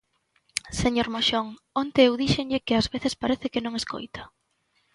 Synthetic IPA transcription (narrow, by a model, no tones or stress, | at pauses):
seɲoɾmoʃoŋ | ont̪eewðiʃeŋʎɪkɪazβeθɪspaɾɛθɪkɪnõŋesko̰jt̪ḁ